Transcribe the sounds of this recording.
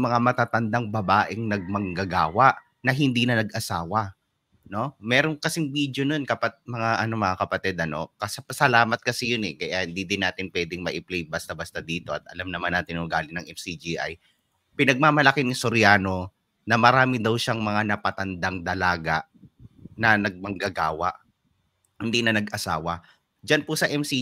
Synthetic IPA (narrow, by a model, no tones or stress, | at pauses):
mɐŋamɐt̪at̪ɐnd̪aŋbɐbaːʔɛŋnɐɡ̚mɐŋɡɐɡaːwɐʔ | nɐɦɪnd̪iːnɐnɐɡʔɐsaːwɐ | no̞mɛːɾoŋkɐsɪŋbiːd̪jono̞nkɐpat̪̚mɐŋaʔɐno̞mɐŋakɐpɐt̪ɛd̪̚ɐno̞̰kɐsɐpɐsɐlaːmɐt̪̚kɐsɛjʊnɛkɐjahɪnd̪id̪ɪnːaːt̪ɪnpwɛːd̪ɪŋmɐʔɪplɛjbast̪ɐbast̪ɐd̪iːt̪o̞ɐ̰t̪ʔɐlamnɐmanːaːt̪ɪnʊɡaːlɪnɐŋʔɛfsid͡ʒiʔa̰j | pɪnɐɡ̚maːmɐlɐkɪnɪsoɾɪjaːno̞ | nɐmɐɾaːmɪd̪ɐwʃaŋmɐŋanɐpɐt̪ɐnd̪aŋd̪ɐlaːɡaʔ | nɐnɐɡ̚mɐŋɡɐɡaːwɐ̰ʔ | hɪnd̪inɐnɐɡʔɐsaːwɐ | d͡ʒanpʊsɐʔɛmsi